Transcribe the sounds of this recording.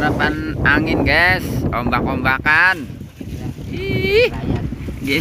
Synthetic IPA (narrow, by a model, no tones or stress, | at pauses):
ɾapanaŋɪnɡɛsɔmbakɔmbakan | i | ɡe